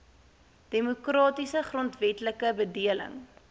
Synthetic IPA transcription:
d̥emukrɑːtisəχrɔntvɛtləkəbədiələ̰ŋ

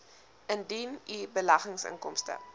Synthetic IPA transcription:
əndinibəlɐχəŋsə̰ŋkɔmstə̰

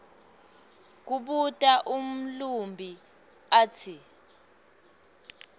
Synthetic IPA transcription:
k̬uɓutʼaʔum̩lumbʱi | atʰi

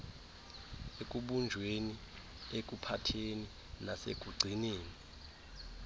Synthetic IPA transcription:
ek̬ʼuɓund͡ʒʱweni | ek̬upʰatʰeni | nasḛɡ̥ʱuɡ͡ǀʱineːni

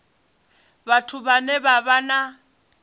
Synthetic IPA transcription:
batʰuβanɛβaβana

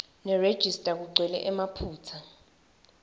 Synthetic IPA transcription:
nɛred̥ʒ̥ʱistʼak̬uǀʱwɛlɛ̰ʔɛmapʰuːt͡sʰa

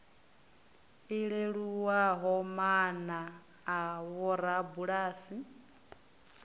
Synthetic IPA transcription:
iɺeɺuwaɦɔmanaː | βɔɾabuɺaːsi

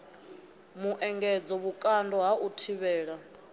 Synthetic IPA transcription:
muʔɛŋɡɛd͡zɔβukʼandɔɦaʔutʰiβɛːɺa

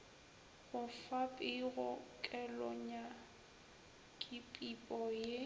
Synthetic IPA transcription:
ɣʊfapʼɪɣʊkʼɛlɔɲa | kʼɪpʼipʼɔje

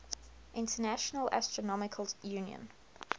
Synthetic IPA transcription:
ʔɪ̃ntənæʃənəla̰stɹ̥ənɔmɪkʰəljuːnjə̰̃n

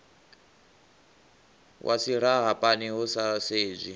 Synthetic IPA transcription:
wʔa̰siɺ̤aɦapʼaniɦusaseːzʷi

